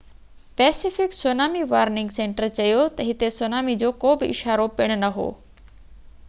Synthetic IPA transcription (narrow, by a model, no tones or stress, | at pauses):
pɛːsɪfɪksoːnaːmiʋaːɾnɪ̃ŋɡsẽːɳʈəɾt͡ɕɐjot̪ɐɦɪt̪esonaːmid͡ʑoːkoːbɪɪ̰ʃaːɾopɪɽ̃ʊnɐɦo̰ː